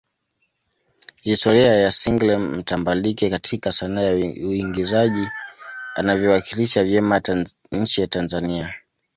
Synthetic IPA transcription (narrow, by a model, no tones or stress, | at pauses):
histɔɾiajasiŋɡlɛmm̩tambalikɛkatʰikasanajauiŋɡizaʄi | a̰navjɔwakiliʃavjɛma | ɲ̩t͡ʃijatanzania